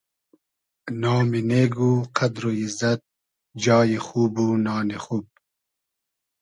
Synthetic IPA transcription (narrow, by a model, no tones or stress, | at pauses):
naːmineːɡuqad̪ɾoizɐt̪̚ | d͡ʒɑːjexuːbunɑːnexuːb̚